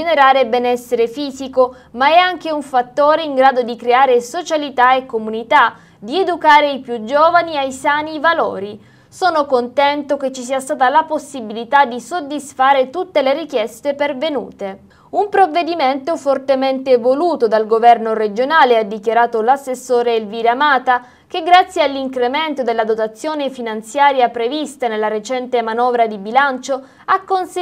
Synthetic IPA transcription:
eneɾaːɾebɛnɛsːeɾefiːziko | maɛaŋk̟euɱfat̪ːoːɾeiŋɡɾaːd̪od̪ikɾeaːɾesot͡ʃalit̪aekːomunit̪a | d̪ied̪ukaːɾeipjud͡ʒoːvaniajsaːnivalo̰ːɾi | sɔːnokont̪ɛnt̪ok̟et͡ʃːisiːast̪aːt̪alaposːibilit̪ad̪isod̪ːisfaːɾet̪ut̪ːeleɾik̟jɛst̪epervenṵːt̪e | umpɾovːed̪iment̪ofort̪ement̪evoluːt̪od̪alɡovɛrnored͡ʒonaːlead̪ːikjaɾaːt̪olasːesːoːɾeilviːɾamaːt̪a | k̟eɡːɾat̪sːjealːiŋkɾement̪od̪elːad̪ot̪at̪sːjoːnefinant̪sjaːɾjapɾevist̪anelːaɾet͡ʃɛnt̪emanɔːvɾad̪ibilant͡ʃo | akːons

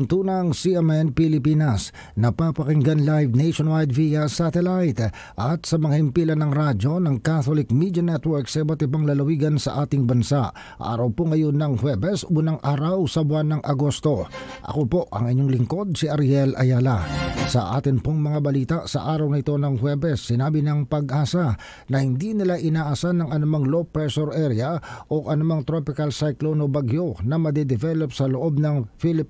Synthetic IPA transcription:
ʊnt̪uːnɐŋsiʔɛmɛnpɪlɪpinɐs | nɐpapɐkɪŋɡanlajvnejʃonwajd̪viɐsat̪ɛlajt̪ | ʔɐt̪̚sɐmɐŋahɪmpiːlɐnɐŋɾad͡ʒo̞nɐŋkat̪olɪk̚mid̪jɐnɛt̪wɛɹksɐbɐt̪ɪbɐŋlɐlɐwiːɡɐnsɐ̰ʔaːt̪ɪŋbɐnsaʔ | ʔa̰ːɾɐwpoŋɐjonːɐŋhwɛbɛsunɐŋʔaːɾɐwsɐbʊanːɐŋʔɐɡo̞st̪o̞ʔɐ̰kopo̞ʔɐ̰ŋɪɲːo̞ŋlɪŋko̞d̪̚sɪʔɐɾɛlʔɐ̰jaːlasɐʔa̰ːt̪ɪnpoŋmɐŋabɐliːt̪aʔsɐ̰ʔaːɾɐwnɪt̪o̞nɐŋhwɛbɛsːɪnaːbɪnɐŋpɐɡʔaːsa | nɐhɪnd̪inɪlaʔɪnaːʔɐsanɐŋʔɐnʊmaŋlopɾɛsoɾʔɛɾɪjaʔo̞ʔɐnʊmaŋt̪ɾo̞pɪkɐlsajklonobɐɡjo̞nɐmɐd̪ɛd̪ɪvɛlopsɐloʔo̞b̚nɐŋfilɪp

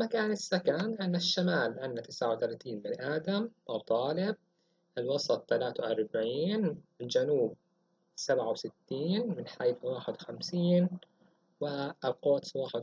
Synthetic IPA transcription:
makaːnɪsːakaːnʔanːaʃːamaːlʕɪnːat̪ɪsʕawt̪alaːt̪iːnbɪnʔaːd̪amʔɑt̪ˤːɑːlɪb̚ | ʔɪlwɑsˤɑt̪ˤːalaːt̪awʔɑɾˤbaʕiːnɪld͡ʒanuːb̚ | sabʕawsɪt̪ːiːnmɪnħajθwaːħɪd̪wxamsiːn | wɪlqoːt̪swaːħɪd̪

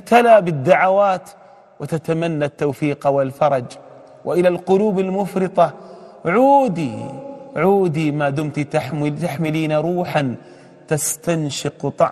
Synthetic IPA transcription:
t̪alaːbɪd̪ːaʕawaːt̪ | wɪt̪at̪amanːat̪ːawfiːqwɪlfɑɾˤɑd͡ʒ | wʔɪʔɪlalqʊluːbalmʊfɾɪt̪ˤɑʕuːd̪i | ʕuːd̪imaːd̪ʊmt̪t̪aħmt̪aħmɪliːnaɾˤuːħan | t̪ast̪anʃɪqt̪ˤɑ̰

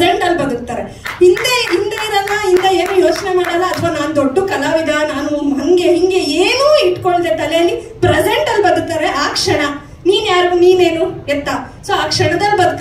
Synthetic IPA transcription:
eɳʈɐlːbɐd̪uk̚t̪aːɾe | ind̪eind̪eːɾɐnːɐind̪ɐeːnuːjo̞ːt͡ʃnemaːɽɐlːɐɐt̪ʰʋɐnaːnud̪oɖːukɐlaːʋid̪ʱanaːnumɐŋɡe̞ɦiŋɡe̞eːnuːiʈko̞ɳɖd̪et̪ɐljɐlːi | pɾed͡ʒeɳʈɐlːbɐd̪uk̚t̪ːaːɾeʔaːkʂɐɳɐ | niːnjaːɾuniːneːnuɛt̪ːa | soːaːkʂɐɳɐd̪ɐlːbɐd̪uk

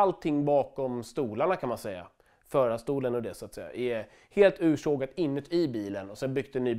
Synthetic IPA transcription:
alt̪ʰːɪŋːbɑːkɔmst̪uːlaɳakʰanmansɛjːa̰ | fœːɾast̪uːlənɔd̪ɛsʊat̪sɛjːa̰ʔɛ | heːlt̪ʉ̟ːʂoːɡat̪ɪnːət̪ʰɪbiːlənɔsɛnbʏɡ̚d̪ɛnyː

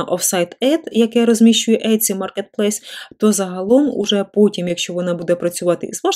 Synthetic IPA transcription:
ʔɔfsɑjt̪ɛt̪jɐkɛɾɔzʲmʲiʃt͡ʃʊjɛʔɛj̪sʲimɑrket̪̚plˠɛsʲt̪ɔzɐɦɐlˠɔmṵʒɛpɔtʲimjɐkʃt͡ʃɔʋɔnɑbud̪ɛpɾɐt͡sʲʊʋɑt̪ɪizʋɑ

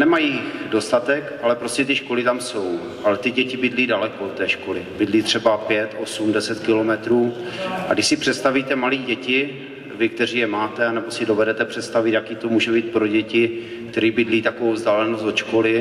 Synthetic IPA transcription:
nɛmajido̞st̪at̪ɛkʔalɛpɾo̞scɛt̪ɪʃko̞lɪt̪amso̞w | ʔalɛt̪ɪɟɛcɪbɪdliːdalɛkoot̪ːɛːʃko̞lɪbɪdliːt̪r̝̥ɛbapjɛt̪ʔo̞sumdɛsɛt̪kɪlo̞mɛt̪ɾuːʔaɡdɪʃsɪpr̝̥ɛt̪st̪aviːt̪ɛmaliːɟɛcɪ | vɪk̚t̪ɛriːjɛmaːt̪ɛanɛbo̞sɪdo̞vɛdɛt̪ɛpr̝̥ɛt̪st̪avɪt̪jakiːt̪o̞muːʒɛbiːt̪̚pɾo̞ɟɛcɪ | k̚t̪ɛɾiːbɪdliːt̪akovowvzdaːlɛnost̪dot͡ʃko̞lɪ

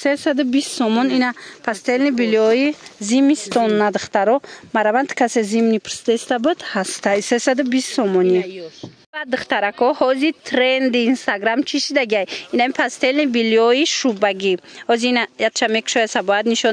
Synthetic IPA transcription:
sesad̪ubist̪sɔmɔninapʰast̪elnibilɔizimist̪ɔnːad̪ɨχt̪aɾɔmaɾavant̪kʰasezimnipʰɨɾst̪est̪abud̪hast̪ʰajsesad̪ubist̪sɔmɔni | bad̪ɨχt̪aɾakʰɔhɔzit̪ʰɾend̪iːnst̪aɡɾamt͡ʃʰiʃid̪aɡiajinamipʰast̪elnibiliɔiʃubaɡihɔziinajat̪t͡ʃamekʰʃɔjasabɔad̪niʃɔ

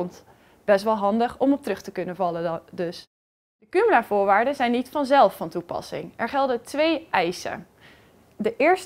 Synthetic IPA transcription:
nt | b̥ɛs̬tʋɑlˠɦɑndəχɔmɔp̚trɵχtəkɵnənvɑlədɵs | dəkyməlaːvʊːɹʋaːɹdəzɛjnitfɑnzɛlˠfɑntupɑ̰sɪ̰ŋɛɹχɛlˠdətʋejɛjsə̰ | dəʔɪːɹs

